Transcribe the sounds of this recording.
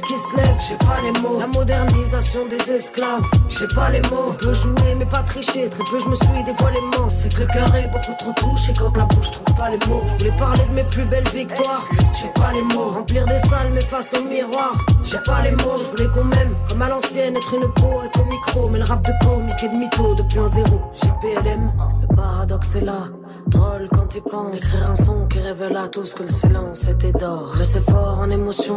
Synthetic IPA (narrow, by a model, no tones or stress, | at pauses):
kʲisəlɛvʒɛpalemolamɔd̪ɛʁnizasjɔ̃d̪ezɛsklavʒɛpalemopøʒuemɛpat̪χiʃet̪χɛpøʒəməswid̪efwalemɔ̃sɛt̪kaʁebokut̪χot̪uʃekɑ̃t̪lapuʃət̪χuvpalemoʒəvulɛpaʁled̪əmeplybɛlvik̚t̪waʁʒɛpalemoʁɑ̃pliʁd̪esalmɛfasɔ̃əmiʁwaʁʒɛpalemoʒəvulɛkɔ̃mɛmkɔmalɑ̃sjɛnɛt̪χynəpoɛt̪χɔ̃mikχomɛləʁap̚d̪əkomik̪ʲed̪əmit̪od̪əpɛ̃zeʁoʒepeɛlɛmləpaʁad̪ɔksɛla | d̪ʁɔlkɑ̃t̪ipɑ̃ekχiʁɛ̃sɔ̃kʲiʁevɛlat̪uskələsilɑ̃set̪ɛd̪ɔʁʒəsɛfɔʁɑ̃nemɔsjɔ̃